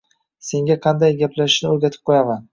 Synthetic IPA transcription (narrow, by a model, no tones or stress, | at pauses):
se̞ŋɡʲaqʰɑnd̪ajɡʲaplaʃɪ̥ʃnɪoɾɡʲat̪ʰɪ̥p̚qʰojaman